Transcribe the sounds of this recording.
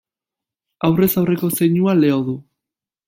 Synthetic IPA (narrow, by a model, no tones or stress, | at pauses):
awre̞sawre̞ko̞se̞jɲuale̞o̞ðu